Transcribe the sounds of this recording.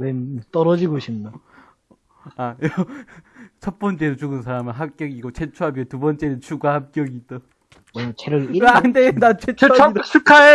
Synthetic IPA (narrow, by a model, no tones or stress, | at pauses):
wemt͈ʌɾʌd͡ʑiɡoɕʰimna | ajʌ | t͡ɕʰʌt̚p͈ʌnt͡ɕ͈e̞dot͡ɕuɡɯnsʰaɾamɯɭɦap̚k͈jʌɡiɡot͡ɕʰet͡ɕʰuɦabiʌtubʌnt͡ɕ͈e̞nɯnt͡ɕʰuɡahap̚k͈jʌɡidʌ | t͡ɕʰeɾɯandenat͡ɕʰet͡ɕʰdʰukʰae